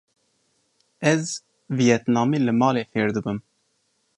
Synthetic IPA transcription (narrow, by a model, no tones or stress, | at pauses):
ɛz | vijɛt̪nɑːmiːlɨmɑːleːfeːɾd̪ɨbɨm